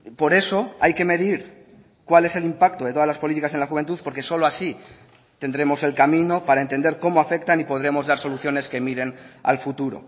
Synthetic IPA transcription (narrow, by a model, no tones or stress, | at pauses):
po̞ɾe̞so̞ajke̞me̞ðiɾ | kwale̞se̞limpak̚t̪o̞ðeoðalaspo̞lit̪ikasenlaxuβ̞ent̪uθpo̞ɾke̞so̞loasi | t̪e̞nd̪ɾe̞mo̞se̞lkamĩno̞paɾae̞nt̪end̪e̞ɾko̞moafe̞k̚t̪anipo̞ðɾe̞mo̞zðaɾso̞luθjo̞ne̞skemiɾe̞na̰lfut̪uɾo̰